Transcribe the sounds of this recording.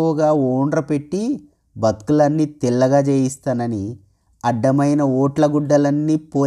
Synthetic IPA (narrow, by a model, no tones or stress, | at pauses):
ʋuɡaːoːɳɖɾɐpe̞ʈːi | bʱɐt̪kulɐnːit̪ilːɐɡaːd͡ʒeːjist̪aːnɐni | ɐɖːɐmɐjnɐoːʈlɐɡuɖːɐlɐnːiːpo̞ː